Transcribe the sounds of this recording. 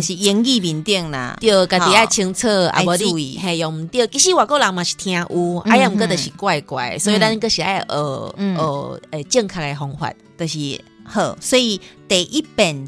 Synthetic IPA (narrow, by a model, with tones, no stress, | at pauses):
ɕi˨˩jŋki˥˧bi˨˦nt̪jə˥˧˨ŋna̰˨˧t̪jo˧ka˨˩t̪i˨a˧˨t͡ɕʰi˧ŋt͡sʰə˥˧a̰˨˧bɔ˧˦ɾi˧˨ɦɛ̃˨jɔ˨˩ŋm̩˨˦t̪jə˥˧˨ki˧˦ɕi˦˨wa˨ko˥˧˨la˨˦ŋmã˨˩ɕi̥˨˩t̪ʰj̃ã˧ʔu˧˦ʔa̰˧˦ja˧˦˨m̩˨kə˧˦˧t̪ə˨˩ɕi˨˩kwa˥˧jkwa̰˨jswɔ˧˦i˧ɾa˦nkə˧ɕi˨a˧˩jʔə˨˩ʔə˨˩e˨˧t͡ɕjə˥˧ŋkʰa˧ke˧ɦɔ˧ŋhwa̰˧˨t̚t̪ə˨ɕi˨hə˧˩sɔ˦i˧t̪e˨˩ʔi˦pe˨˩n